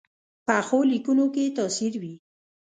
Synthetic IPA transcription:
paxolikunoket̪ɑsiɾwi

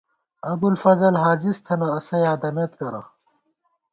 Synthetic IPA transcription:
ɐbulfɐzɐlɦaːd͡ʑist̪ʰɐnɐːsɐjaːd̪ɐmeːt̪kɐɾa̰

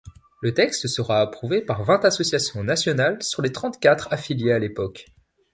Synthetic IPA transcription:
lət̪ɛkst̪səʁaːpχuvepaʁvɛ̃t̪asɔsjasjɔ̃nasjɔnalsyʁlet̪χɑ̃t̪kʲat̪χafiljealepɔk

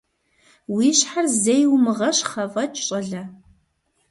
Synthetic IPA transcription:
wiːɕħarzejwmɨʁɐɕχɐvɐt͡ʃʼɕʼɐɮɐ

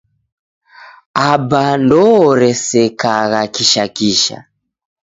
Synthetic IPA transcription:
abandɔːɾɛsɛkaɣakiʃakiʃa̰

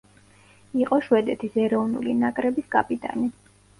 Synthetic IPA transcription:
iqʼɔʃwɛd̪ɛt̪ʰisɛɾɔvnṵlinakʼɾɛbiskʼapʼit̪ʼa̰ni

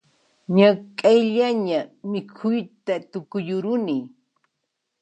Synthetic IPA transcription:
ɲakʼajʎaɲamɪkʰʊjt̪at̪ʊkʊjʊɾʊni

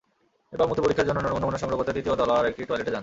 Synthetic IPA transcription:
ebaɾmut̪ipoɾikʰːaɾd͡ʑonːonːonmonomoneʃɔŋɾoɡʱot̪ad̪it̪iod̪ɔlaaɾɛk̚ʈiʈɔjleʈed͡ʑan

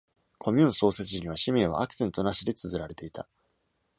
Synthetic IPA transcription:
kʰo̞mʲɯ̃ːnso̞ːse̞t͡sɨʑiɲ̟iβ̞aɕimʲẽβa̰akɯ̟̥sẽ̞nt̪o̞naɕid̪e̞t͡sɨzɨɾaɾe̞t̪e̞it̪a

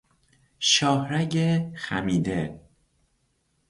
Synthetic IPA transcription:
ʃɒːhɾæɟexæ̰miːd̪e

